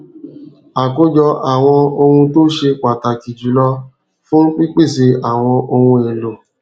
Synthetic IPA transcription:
a˨ko˦d͡ʒɔ˧a˨w̃ɔ̃˧o˧hũ˧to˦ʃe˧kʷa˨ta˨ki˨d͡ʒu˨˦lɔ˦ | fũ˦k͡pi˦k͡pe˦˨se˧a˨w̃ɔ̃˧ʔo˧hũ˧e˨lo˨

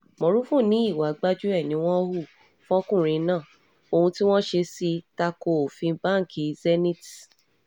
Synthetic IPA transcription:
mõ˨ɾu˦fũ˦˨nĩ˨˦i˦˨wa˨˦ɡ͡ba˦d͡ʒu˦ɛ˦˨nĩ˨˦w̃ɔ̃˦o˦hu˦˨ | fɔ̃˦kũ˦˨ɾ̃ĩ˧nãː˦˨ | o˨˧hũ˧ti˦w̃ɔ̃˦ʃe˧si˧ta˧ko˧o˨fĩ˧˦bã˦˨kʰi˨zɛ˦nĩ˦˨ti̥˨

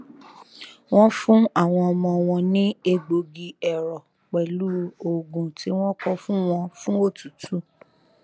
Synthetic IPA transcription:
w̃ɔ̃˦fũ˦a˦˨w̃ɔ̃˧ɔ˧mɔ̃˧ɔ˧w̃ɔ̃˧nĩ˦e˧ɡ͡bo˧ɡi˧ɛ˨ɾɔ˨ | k͡pɛ˨lu˦o˨ɡũ˨ti˧˦w̃ɔ̃˦kɔ̃˦fũ˦w̃ɔ̃˧fũ˦o˦˨tu˨tʰu˦

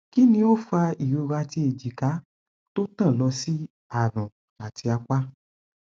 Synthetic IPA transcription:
ki˦nĩ˧o˦fu˧a˧i˨jo˨˧ɾa˧ti˧e˨d͡ʒi˨ka˨˦ | to˦tã˦˨lɔ˧si˦ | a˦˨ɾ̃ũ˨ | a˨tʰi˧a˧kʷa˦

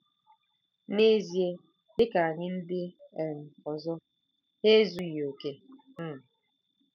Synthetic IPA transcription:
ne˦zje˦ | dɪ˦ka˨a˨ɲɪ˦n̩˦dɪ˦˨m̩˨ɔ˨zɔ˦ | he˦zu˨jo˨ke˦ | m̩˦˨

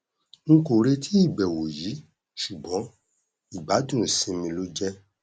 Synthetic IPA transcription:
ŋ̩˦ko˨ɾe˧tʰi˦i˦˨bɛ˨wo˨ji˨˦ | ʃu˨bɔ̃˨˦ | i˦˨ba˨˦dũ˦˨sĩ˧mĩ˧lo˦d͡ʒɛ˦

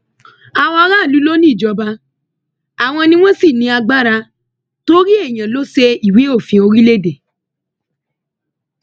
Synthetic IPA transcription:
a˧wɔ˧˦ɾa˦˨lu˨˦lo˦nĩ˦˨d͡ʒɔ˧ba˧ | a˨w̃ɔ̃˧nĩ˧w̃ɔ̃˦si˦˨nĩ˧a˧ɡ͡ba˦ɾa˧ | to˦ɾi˦e˦˨j̃ã˨lo˦se˧i˦˨we˨˦o˦˨fĩ˧o˧ɾi˦le˦de˨

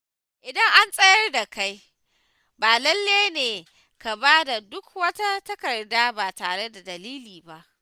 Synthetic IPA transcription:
ʔɪ˨dɐ˦ŋʔa˦nsʼɐ˦jɐ˦rda˨ka˦j | baː˨lɐ˦lːeː˦neː˨ | ka˨baː˦da˨dʊ˦k̚wɐ˦ta˦tɐ˦kɐ˨rdaː˦baː˨taː˨ɽe˦da˨dɐ˨liː˦liː˨ba˦ʔ

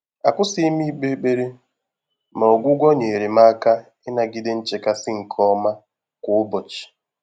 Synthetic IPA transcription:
a˨kʷʊ˦si˦i˦mi˦k͡pe˦k͡pe˦ɾe˦ | ma˨o˨ɡʷʊ˦ɡʷɔ˦ɲe˨ɾe˨ma˦a˦ka˦ | ɪ˦na˨ɡɪ˦de˦n̩˦t͡ʃe˨ka˦sɪ˦ŋ̩˨kʰɔ˦ma˦ | kʷʊ˨ʊ˦bɔ˨t͡ʃi̥˨

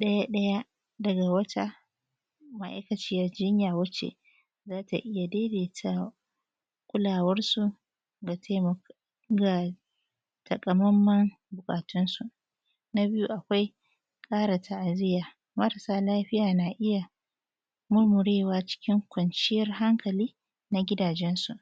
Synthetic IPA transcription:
ɗɐ˦ja˦ɗɐ˦ja˦ | dɐ˨ɡa˨wɐ˦ta˦ | ma˦˨ʔa̰˦jkɐ˨t͡ʃɪː˦jɐ˨rd͡ʒɪ˦ɲjaː˨wɐ˦t͡ʃḛ˨ | zaː˦ta̰˨ʔɪ˦ja˨deː˦deː˨tʰa˦ | kʷʼʊ˦laː˨wɐ˦rsu˨ | ɡa˨tʰe˦m˨ | ɡa˨ | tʰɐ˨kʼɐ˨mɐ˦mːɐ˦ŋ | bʊ˨kʼaː˨tʊ˦nsu˨ʔ | na˦bɪ˦ju˦ʔa˨kʷa˦j | kʼaː˦ɽa˨tʰa˨ʔa˨zɪ˦jaː˨ | mɐ˦ɾa˨saː˦laː˦ɸɪ˦jaː˨na˨ʔɪ˦ja˨ | mʊ˦rmʊ˨ɽeː˦waː˦t͡ʃɪ̥˦kʲɪ˦ŋkʷɐ˨nt͡ʃɪ˦jɐ˦rɦa˦ŋkʰɐ˨liː˦ | na˦ɡʲɪ˦daː˨d͡ʒɛ˦nsu˨ʔ

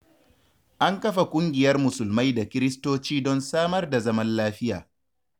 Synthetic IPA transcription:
ʔa˦ŋkɐ˦ɸa˨kʷʼʊ˦ŋɡʲɪ˨jɐ˦rmʊ˨sʊ˨lma˦jda˨kʲɪ˦ɾɪ˦stoː˦t͡ʃiː˦dɔ˦nsaː˦mɐ˦rda˨zɐ˦mɐ˦nlaː˦ɸɪ˦jaː˨

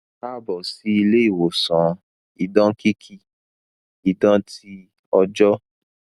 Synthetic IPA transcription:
a˦bɔ˨si˦i˧le˦i˦˨wo˨sɔ̃˨˦ | i˨dɔ̃˦ki˦kʰi˧ | i˨dã˦ti˧ | ɔ˧d͡ʒɔ˦

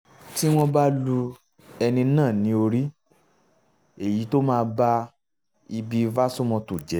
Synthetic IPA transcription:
ti˦w̃ɔ̃˦ba˦lu˧ | ɛ˧nĩ˧nãː˦˨nĩ˨˦o˧ɾi˦ | e˦˨ji˨˦to˦mãː˦˧ba˦ | i˧bi˧va˦so˦mɔ̃˧tu˨d͡ʒɛ˨˦

